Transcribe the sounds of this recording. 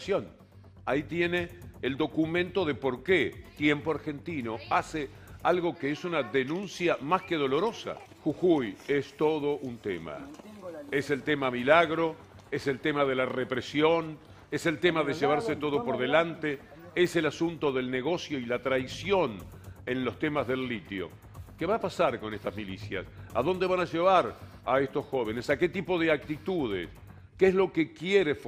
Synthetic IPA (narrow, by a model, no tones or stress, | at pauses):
sjon | ait̪je̞neːld̪o̞kumẽ̞nt̪o̞ðe̞po̞ɾket̪je̞mpoaɾxe̞nt̪ino̞ase | alɣo̞keesunaðenũnsjamaskeðo̞lo̞ɾo̞sa̰ | xuxujest̪o̞ð̞oʔunt̪ḛma̰ | ese̞lt̪e̞mamilaɣɾo̞ | ese̞lt̪emaðe̞larepɾesjo̞n | ese̞lt̪e̞maðe̞ʒeβ̞aɾset̪o̞ð̞o̞po̞ɾðe̞lant̪e | eselasunt̪o̞ðe̞lne̞ɣ̞o̞sjo̞ilat̪ɾajsjo̞nenlo̞st̪e̞mazðe̞lːit̪jo̰ | keβaːpasaɾko̞nest̪azmilisja̰sa̰ðo̞nd̪e̞βanaʒe̞β̞aɾ | aest̪osxo̞β̞enesake̞t̪ipo̞ðeak̚t̪it̪uð̞ḛs | keezlo̞kekjeɾef